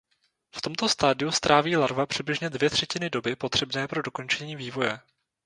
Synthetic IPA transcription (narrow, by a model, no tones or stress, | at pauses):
ft̪o̞mt̪o̞st̪aːdɪjust̪ɾʔaːviːlaɾvapr̝̥ɪdblɪʒɲɛdvjɛt̪r̥ɛcɪnɪdo̞bɪpo̞t̪r̥ɛbnɛːpɾo̞do̞ko̞nt͡ʃɛɲiːviːvo̞jɛ